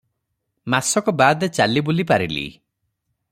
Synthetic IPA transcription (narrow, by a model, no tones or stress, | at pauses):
masɔkɔbad̪et͡ʃalibulipaɾilḭ